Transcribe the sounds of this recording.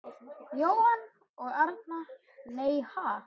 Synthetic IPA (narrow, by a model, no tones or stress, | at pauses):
joːwan | ɔɣaɾt̪̚na | neːjha